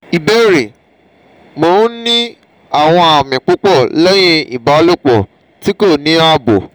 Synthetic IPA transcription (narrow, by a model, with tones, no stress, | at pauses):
i˨be˦ɾe˨ | mõ˨˦nĩ˦ | a˦˨w̃ɔ̃˧a˨mĩ˨k͡po˦k͡pɔ˦˨lɛ˦j̃ĩ˧˦ḭ˨ba˨˦lo˦˨k͡pɔ˨ | ti˦ko˦˨nĩ˦a˧bo˨